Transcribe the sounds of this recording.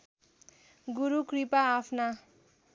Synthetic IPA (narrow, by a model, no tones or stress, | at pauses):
ɡuɾukripaːpʰna